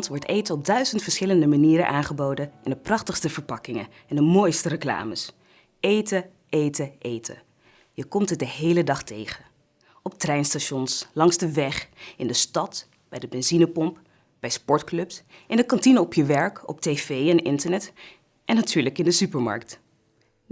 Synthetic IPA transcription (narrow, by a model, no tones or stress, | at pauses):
ntʋɔɹtejtəɔb̚dœɥzəntfəɹsχɪləndəmaniːɾənʔaːnχəbowdənʔɪndəprɑχtəχstəvəɹpɑkɪŋən | ɛndəmoːjstərəkla̰ːməs | ejtə | ejtəʔejtʰə̰ | jəkɔmtət̚dəɦejlədɑχtejχə | ɔp̚trɛjnstaʃɔnslɑŋzdəʋɛχɪndəstɑt | b̥ɛjdəbɛnzinəpɔmp | b̥ɛjspɔɹtklɵpsʔɪndəkɑntinəɔpjəʋɛɹkɔ̰p̚tejvejɛnɪ̰ntəɹnɛt | ʔɛnːatyːɹləkɪndəsypəɹmɑ̰ɹk̚t